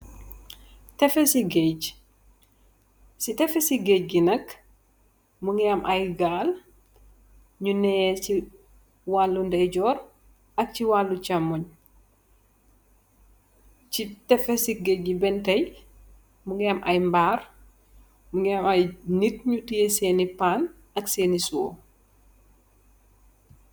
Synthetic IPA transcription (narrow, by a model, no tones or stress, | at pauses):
tɛfɛsiɡɛɟ | sitɛfɛsiɡɛc̚ɡinɐk | muŋɡɛɐmʔɐjɡaːl | ɲunɛjɛt͡ʃi | walːundɐjɟɔːr | ɐk̚ciwalːut͡ʃɐmːɔɲ | citɛfɛsiɡeɡibɛntɐj | muŋɡɛamʔɐ̰jmbaːr | muŋɡɛamɐjnit̚ɲutijɛseːnipaːn | ɐkseːnisuwo̰